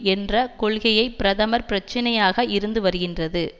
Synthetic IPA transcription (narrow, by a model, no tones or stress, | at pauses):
ɛndrɐkɔɭɣɐjɐɪpɪɾɐðɐmɐɾpɪɾɐt͡ʃːɐnɐjaːɣɐɪɾɯnd̪ɯʋɐɾɯɣɪndrɐðɯ